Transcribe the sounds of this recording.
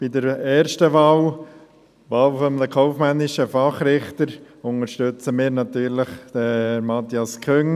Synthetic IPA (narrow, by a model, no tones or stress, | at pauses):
b̥idəɾɛːɾʃtəʋɑːw | ʋɑːlfɔmləkʰɔʊfmɛnːɪʃəfɑχɾɪχt̪əɾ | ʊnəɾʃtøt͡səmɪːɾnɑt̪yːɾləχd̥̪əmɑt̪iɑskʰʏŋ